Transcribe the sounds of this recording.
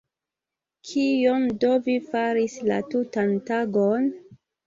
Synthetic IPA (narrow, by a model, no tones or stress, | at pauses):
kʰijondovifaɾisla̰tutantaɡon